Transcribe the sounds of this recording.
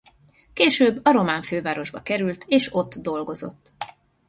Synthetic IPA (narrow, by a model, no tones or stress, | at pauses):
keːʃøːbːɒɾo̞maːɱføːvaːɾo̞ʒbɒkɛɾylt̪ʰeːʃo̞t̪ːd̪o̞lɡo̞zo̞̰t̪ː